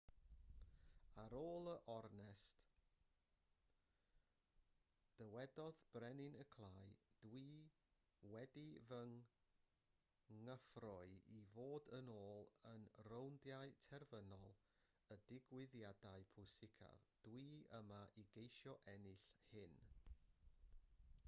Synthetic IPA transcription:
aɾoːlˠəʔɔrnɛst | d̥əwɛdɔðb̥rɛnɪnəkʰlˠaːjd̥wi | wɛdivəŋ | ŋːəfrʊɨivoːdənoːlˠənrowndjaɨtʰɛrvənɔlˠ | ədɪɡwɪðjadaɨpʰʊsɪkʰa̰vd̥wiəmaʔiɡejʃjɔʔɛnɪɬhɪn

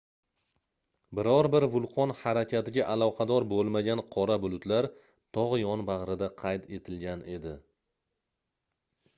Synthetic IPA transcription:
bɪɾɒɾbɪɾvʊlˠqʰɒnhaɾakʲʰat̪ɪɡʲaʔalˠɒqʰɑd̪ɒɾbolˠmaɡʲanqʰɒɾabʊlˠʊt̪laɾ | t̪ʰɒʁjɒnbaʁɾɪd̪aqʰɑjt̪ʰe̞t̪ʰɪlɡʲane̞d̪ɪ

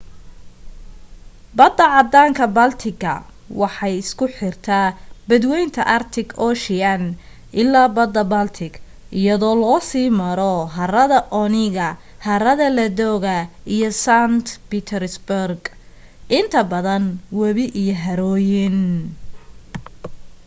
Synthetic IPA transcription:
bɐd̪ːɐʕɑd̪aːŋkʰɐbɐlt̪ʰɪɡɐ̰ | wɑħɑjɪskʰʊħɪrt̪ʰabɐd̪wɛjnt̪ʰɐʔɐrt̪ʰɪɡɔːʃɪɐn | ʔɪlːaːbɐd̪ɐbɐlt̪ʰɪɡ | ʔɪjɐðɔːlɔːsiːmɐɾɔɦɐrɐðɐʔɔnɪɣɐ | hɐrɐðɐlɐdɔːɣɐijɔsant̪pɪt̪ʰɛɾsbʊrɡ | ʔɪnt̪ʰɐbɐðɐnwɐβɪʔijɔɦɐɾɔːjɪn

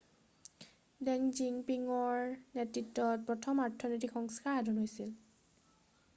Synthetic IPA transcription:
dɛŋziŋpiŋɔɹnetɹitːɔt̚pɹɔtʰɔmaɹtʰːɔnotikxɔŋskaɹadunɦojsil

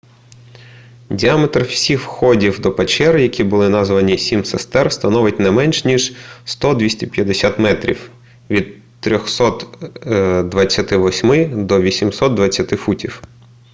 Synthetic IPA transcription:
dʲiamet̪rwsʲixwxɔdʲiwd̪ɔpet͡ʃɛrjɐkʲibʊlˠɪnɑzʋɐnʲisʲimsest̪ɛrst̪ɐnɔʋɪt̚ʲnɛmɛnʲʃnʲiʒst̪ɔd̪ʋʲisʲtʲɛpjɐd̪esʲat̪mɛt̪ɾʲḭw | ʋʲid̪ | t̪ːɾʲɔxsɔt̪ | d̪ʋɐt͡sʲːɐt̪ɪʋɔsʲmɪd̪ɔʋʲisʲimsɔt̪̚d̪ʋɐt͡sʲːɐt̪ɪfutʲiw

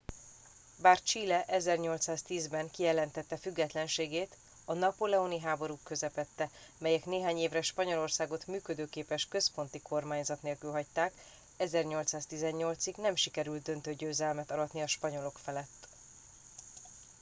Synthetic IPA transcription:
baːrt͡ʃiːlɛʔɛzɛrɲo̞lt̪saːst̪iːzbɛŋkijɛlɛnt̪ɛt̪ːɛfyɡːɛt̪lɛnʃeːɡeːt̪ | ɒnɒpolɛoniɦaːbo̞ɾukːø̞zɛpɛt̪ːɛmɛjɛkneːɦaːɲeːvrɛʃpɒɲo̞lo̞rsaːɡo̞t̪myːkød̪øːkeːpɛʃkø̞spo̞n̪t̪ikʰo̞rmaːɲzɒt̪neːlkylɦɒct̪aːk | ɛzɛrɲo̞lt̪saːst̪izɛɲɲo̞lt̪siɡnɛmʃikɛɾylt̪̚d̪ø̞nt̪øɟøːzɛlmɛt̪ɒlɒt̪niɒʃpɒɲo̞lo̞kfɛlɛt̪ː

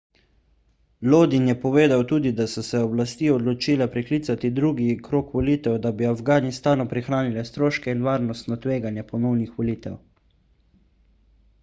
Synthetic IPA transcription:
loːd̪injɛpɔʋeːd̪awt̪uːd̪id̪asɔsɛɔblast̪iːɔd̪lɔt͡ʃiːlɛpɾɛkliːt̪sat̪id̪ɾuɡikɾoːkʋɔliːt̪ɛwd̪abiavɡaːnist̪aːnɔpɾixɾaːnilɛst̪ɾoːʃkɛinʋaːɾnɔst̪nɔt̪ʋeːɡanjɛpɔnɔwnixʋɔliːt̪ɛ̰w

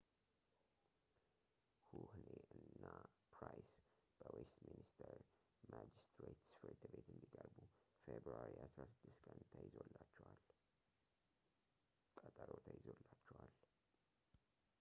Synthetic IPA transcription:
huhneʔɨnːapɾajsb̥əwest̪minist̪ʰəɾ | mad͡ʒist̪ɾet̪sfɾt̪ʰbe̞t̪ɨnd̪ikʼəɾbufebɾuaɾiʔasɾasɨd̪ːɨst̪kʼʰənt̪ʰajɪzo̞lːat͡ʃːɛwal | kʼət̪ʼaɾot̪ʰajɪzolːat͡ʃːɛwal

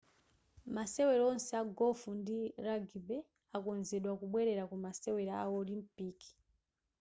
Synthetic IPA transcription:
masɛwɛɾɔnsɛaɡɔfundiɾaɡibɛ | akɔnzɛɗwakuɓwɛɾɛɾakumasɛwɛɾaaɔlim̩piki̥

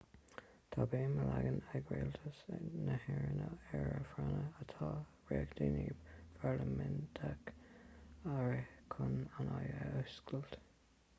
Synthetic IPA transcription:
t̪ʰabeːməlaɡənəɡɾelt̪ʰəsnəhɛɹənəɛɹəfɾanəət̪ʰɑː | ɹeːɡd̪iːniːbfaɹləmɛntʰak | aɹəkʰʊnanajəʔʊskəlt

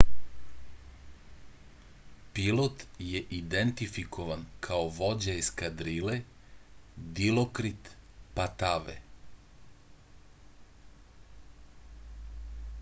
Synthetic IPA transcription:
pilot̪jeʔid̪ent̪ifikʰoʋankʰaoʋo̞d͡ʑaiskad̪ɾile | d̪ilokɾit̪pat̪aʋḛ

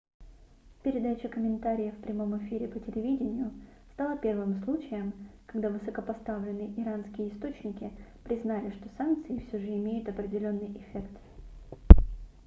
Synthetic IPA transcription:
pʲɪɾʲɪd̪at͡ɕəkəmʲɪnt̪aɾʲɪjəfpɾʲɪmo̞mɪfʲiɾʲɪpətʲɪlʲɪvʲidʲɪnʲɪjʊ | st̪alˠəpʲe̞rvɨmslˠut͡ɕɪjəmkɐɡd̪avɨsəkəpɐst̪avlʲɪnːɨʔɪɾanskʲɪjəɪst̪o̞t͡ɕnʲɪkʲɪpɾʲɪznalʲɪʂt̪o̞sank̚t̪sɨɪfsʲoʐɨɪmʲejʊt̪ɐpɾʲɪdʲɪlʲo̞nːɨjʔɪfʲe̞kt̪

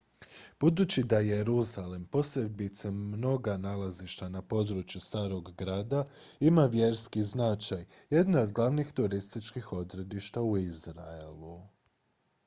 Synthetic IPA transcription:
b̥ud̪uːt͡ɕid̪aje̞ɾuzalempo̞sebit̪semno̞ɡanalaziʃt̪anapo̞d̪ɾut͡ʃjust̪aːɾo̞ɡːɾaːd̪aimaʋje̞ɾskiznat͡ʃajje̞d̪naod̪ɡlˠaʋnixt̪uɾist̪it͡ʃkixo̞d̪ɾe̞d̪iʃt̪auizɾaelu

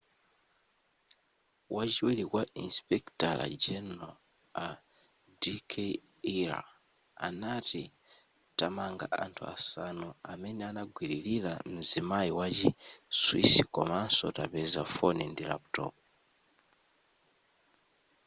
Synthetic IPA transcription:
wʔad͡ʒiwelikwaʔinspektala̰d͡ʒeno | a | dikʰe | iɾa̰ | a̰nati | tamaːŋɡa̰ʔaːntʰua̰sanoameneanaɡwiɾililamizimaiwad͡ʒiswḭsiko̰manso̰taβezafonindila̰pto̰p

